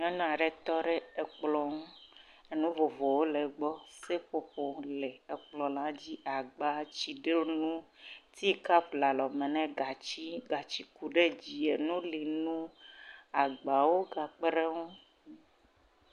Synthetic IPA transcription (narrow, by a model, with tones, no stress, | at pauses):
ŋɛ̃˦nũ˦a˨ɖɛ˦t̪ɔ˦ɖɛ˦ɛ˨k͡plɔ˦ŋũ˦ | e˦nũ˦vo˨vɔ˨wo˦lɛ˨ɡ͡bɔ˦se˦ɸo˦ɸo˦lɛ˨e˨k͡plɔ˨la˦d͡ʑi˦ʔa˨ɡ͡ba˦t͡ɕi˨ɖe˦nũ˦t̪i˦ka˦pla˨lɔ˨mɛ˨nɛ̃˦ɡa˨t͡ɕi˦ɡa˨t͡ɕi˦ku˨ɖe˦d͡ʑi˨e˨nũ˦li˨nũ˦ | a˨ɡ͡ba˨wo˦ɡa˨k͡pe˦ɾe˦ŋũ˦